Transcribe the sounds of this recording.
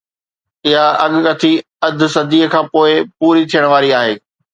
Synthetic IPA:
ɪɦaɐɠkɐt̪ʰi | ɐd̪ʱʊ̆sɐd̪ʱiːəkʰãːpoːɪpuːɾit̪ʰijəɽ̃ʋaːɾiaːɦeː

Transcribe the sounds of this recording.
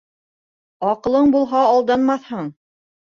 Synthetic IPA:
ɑqɤ̆lˠɤɴbulˠɦɑːlˠd̪ɑnmɑθhɤɴ

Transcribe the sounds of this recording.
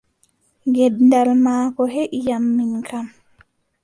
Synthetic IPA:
ɡɛdndalmaːkɔɦɛʔijamːinkʰam

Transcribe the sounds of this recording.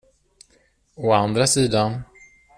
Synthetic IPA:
ɔand̪ɾasiːd̪an

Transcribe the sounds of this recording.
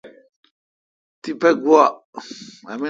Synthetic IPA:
tipɛɡua | amĩ

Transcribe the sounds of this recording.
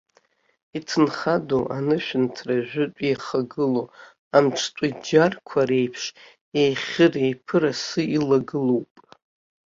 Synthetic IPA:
itʰɨnχadoʔanɨʃᶣɪntʰraʒᶣʷʊtʷʼijχaɡɨlo | amʈ͡ʂʰtʷʼad͡ʒarkʷʰaɾe̞jpʰʂ | ejχʲɨrejpʰɨɾasɨilaɡɨlowpʼ

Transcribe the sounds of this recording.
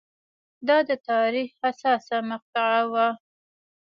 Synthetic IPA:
d̪ɑd̪ət̪ɑɾixasɑsamaq̚t̪ɪʕawa

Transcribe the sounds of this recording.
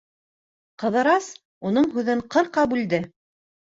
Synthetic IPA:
qɤ̆ðɤ̆ɾɑs | unɤɴɦʉðɘɴqɤ̆ɾqɑbʉld̪ɘ

